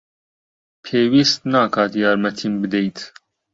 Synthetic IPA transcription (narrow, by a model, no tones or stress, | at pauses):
pʰɛːwist̪nɐːkɐt̪jɐɾmɛt̪ʰimbd̪ɛjt̪